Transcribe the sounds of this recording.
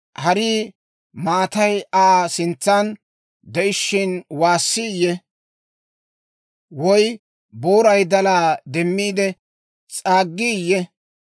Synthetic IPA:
hɐɾiː | maːt̪ɐjaːsɪnt͡sːan | d̪ɛʔɪʃːɪnwaːsːɪjːɛ | wɔj | bo̞ːɾɐjd̪ɐlaːd̪ɛmːiːd̪ɛ | t͡sʼaːɡːiːjːɛ

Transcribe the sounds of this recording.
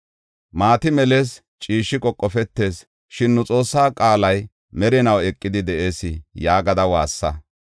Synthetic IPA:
maːt̪ɪmɛle̞ːs | t͡ʃʼiːʃːɪkʼɔkʼːɔfɛt̪ːe̞ːs | ʃɪnːʊt͡sʼo̞ːsːaːkʼaːlɐj | mɛɾɛnɐwɛkʼːɪd̪ɪd̪ɛʔe̞ːsɪjaːɡɐd̪ɐwaːsːɐ

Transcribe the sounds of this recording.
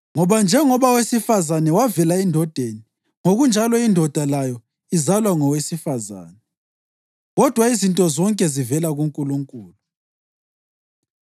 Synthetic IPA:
ŋɔβand͡ʒʱɛŋɔβawesifazanɛwavɛlaindʱɔd̥ʱeni | ŋoɣund͡ʒʱalɔindʱɔd̥ʱalajɔ | izalwaŋɔwesifaza̰ːnɛ | ɣɔd̥ʱwaizintʼɔzɔŋkʼɛzivɛlaɣuŋkʼuluŋkʼuːlu

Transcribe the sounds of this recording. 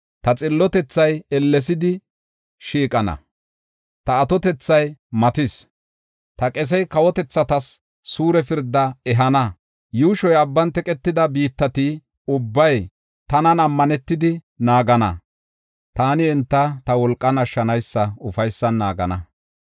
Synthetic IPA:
t̪ɐt͡sʼɪlːɔt̪ɛt͡sːɐjɛlːɛs̬ɪd̪ɪ | ʃiːkʼɐnɐ̰ | t̪ɐːt̪ɔt̪ɛt͡sːɐjmɐt̪ɪs | t̪ɐkʼɛs̬ɛjkɐwɔt̪ɛt͡sːɐt̪ɐsː | uːɾɛfɪɾd̪ːɐɛɦɐnɐ | juːʃɔjɐbːɐnt̪ɛkʼɛt̪ːɪd̪ɐbiːt̪ːɐt̪ɪ | ʊbːɐj | t̪ɐnɐnɐmːɐnɛt̪ːɪd̪ɪ | naːɡɐnɐ̰ | t̪aːnɪɛnt̪ːɐt̪ɐwɔlkʼːɐnɐʃːɐnɐjsːɐʊfɐjsːɐnːa̰ːɡɐ̰nɐ̰

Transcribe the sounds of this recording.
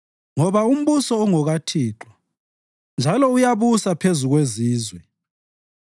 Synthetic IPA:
ŋɔβaum̩βusɔːŋɔɣatʰiːǁɔ | nd͡ʒʱalɔujaβusapʰezuɣweziːzwɛ

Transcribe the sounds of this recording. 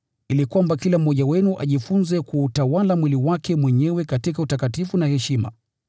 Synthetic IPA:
ilikwambakilam̩ːɔʄawɛnuʔa̰ʄifunzɛkuːtawalamwiliwakɛmwɛɲɛwɛkatikautakatifunahɛʃima̰

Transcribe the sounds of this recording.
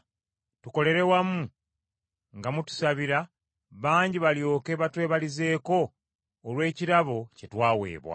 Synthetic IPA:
tuko̞le̞ɾe̞wamu | ŋɡamutu̥saβiɾa | βaːɲɟiβaljo̞ːke̞βatwe̞ːβalize̞ːko̞ː | lwe̞ːciɾaβo̞ce̞twaːwe̞̰ːβwa̰

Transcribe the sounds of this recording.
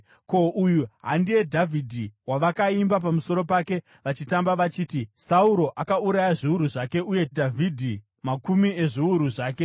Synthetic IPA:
ko̞ʔujuɦa̰ndie̞dʱavʱidʱiwaʋakaimbap̬amuso̞ɾo̞pake̞ | ʋat͡ʃitambaʋat͡ʃiːtisauɾo̞ʔakauɾajaʐiuɾuʐake̞uje̞dʱavʱidʱi | makumie̞ʐiuɾuʐaːke̞

